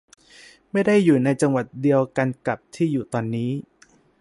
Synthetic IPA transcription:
ma˥˩jda˥˩jːuː˨˩na˧jt͡ɕa˧ŋwa˨˩t̪̚di˧əwka˧nka˨˩p̚t̪ʰiː˥˩juː˨˩t̪ɔː˧nːiː˦˥

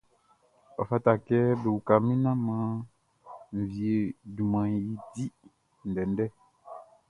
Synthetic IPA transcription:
ɔ˨fa˦ta˨kɛ˦be˨wu˨ka˨mĩ˦nã˦mã˦ | m̩˨vi˨e˨du˨mã˨ji˦ti˦ | n̩˨dɛ˨ndɛ˦

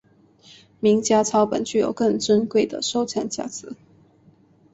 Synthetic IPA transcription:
mi˧˥ŋt͡ɕja˥t͡sʰɑ˧˥ʊpə̰˨˩nt͡ɕy˥˩jo˨˩ʊkə˥˧ŋʈ͡ʂə˥nkwe˥˩ɪd̪ə̰˨˩ʂo˥˧ʊt͡ɕʰja˥˩nt͡ɕja̰˥˩t͡sʰɹ̩˧˥˦

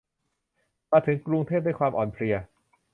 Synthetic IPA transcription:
maː˧t̪ʰɯ˨˩˦ŋkɾu˧ŋt̪ʰeː˥˩p̚d̪a˥˩kʰwaː˧mʔɔː˨˩npʰli˧ɐ

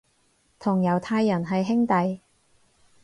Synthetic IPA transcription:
t̪ʰʊ˨˩ŋjɐ˨˩wt̪ʰaː˧jːɐ˨˩nɦɐ˨jɦɪ˥ŋt̪ɐ˨j

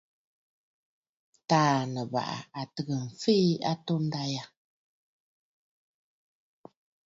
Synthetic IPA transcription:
taː˦˨nə˨ba̰˨ʔa̰˨a˨tɨ˨ɣə˨m̩˨fe˦a̰˦to˦n̩˦da˦ja˦

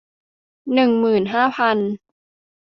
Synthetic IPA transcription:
nɯ˨˩ŋmɯː˨˩nɦaː˥˩pʰa˧n

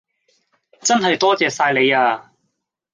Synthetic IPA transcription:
t͡sɐ˥nɦɐ˨jt̪ɔː˥t͡sɛː˨saː˧jle˨˧jaː˧

